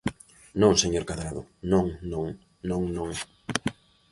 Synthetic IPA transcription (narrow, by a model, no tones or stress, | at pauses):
nõŋseɲoɾkaðɾaðʊ̰nõŋnõŋ | nõŋnõŋɛ